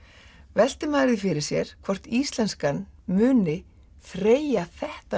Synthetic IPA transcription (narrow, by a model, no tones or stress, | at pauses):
vɛl̥t̪ɪmaːɾɪðfɪɾɪɾ̥sjɛɾ̥kʰvɔr̥t̪iːst̪lɛnskanmʏːnɪ | θɾeːjaθɛht̪a